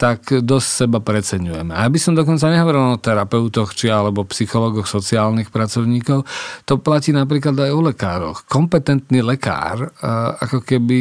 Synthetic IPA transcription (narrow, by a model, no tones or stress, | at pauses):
t̪akd̪ɔssɛbapɾɛt͡sɛɲujɛmɛaabisɔmd̪ɔkɔnt͡saɲɛɦɔʋɔɾilɔt̪ɛɾapɛʊt̪ɔxt͡ʃialɛbɔpsixɔlɔːɡɔxsɔt͡siaːlnixpɾat͡sɔʊɲiːkɔʊt̪ɔplaciːnap̬ɾiːklad̪ajɔlɛkaːɾɔ̰xkɔmpɛt̪ɛnt̪nilɛka̰ːɾa̰kɔkɛbi